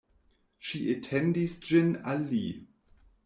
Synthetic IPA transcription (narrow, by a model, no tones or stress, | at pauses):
ʃiʔetʰɛndisd͡ʒɪnali